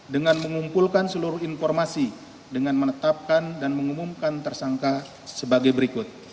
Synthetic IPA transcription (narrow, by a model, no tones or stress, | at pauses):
dəŋanməŋumpulkansəluɾʊhinfɔrmasi | dəŋanmənət̪ap̚kandanməŋumumkant̪ərsaŋka | səbaɡajbəɾikʊt̪̚